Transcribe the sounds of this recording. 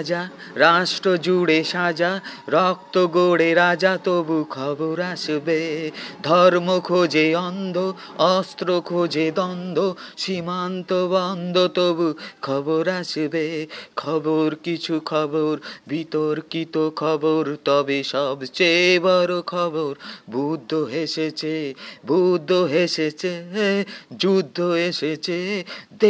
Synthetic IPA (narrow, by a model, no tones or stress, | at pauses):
d͡ʑa | ɾaʃʈɾod͡ʑuɽeʃad͡ʑaɾɔk̚t̪oɡoɽeɾad͡ʑat̪obukʰɔboɾaʃbed̪ʱɔɾmokʰod͡ʑeɔnd̪ʱo | ɔst̪ɾokʰod͡ʑed̪ɔnd̪ʱoʃimant̪obɔnd̪ʱot̪obukʰɔboɾaʃbekʰɔboɾkit͡ɕʰukʰɔboɾbit̪oɾkit̪okʰɔboɾt̪ɔbeʃɔbt͡ɕejbɔɾokʰɔboɾbʱud̪ʱːoɦeʃet͡ɕʰebʱud̪ʱːoɦeʃet͡ɕʰe | d͡ʑud̪ʱːoeʃet͡ɕʰed̪e